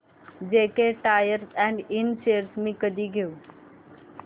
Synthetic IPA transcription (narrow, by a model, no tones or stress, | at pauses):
d͡ʑeːkeʈaːjəɾsɛ̃ːɳɖɪnʃeːəɾsmĩːkəd̪ʱiɡijũː